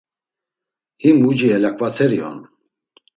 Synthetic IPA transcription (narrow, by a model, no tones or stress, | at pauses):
himud͡ʒiɛlakʰʼvat̪ʰɛɾiɔ̰n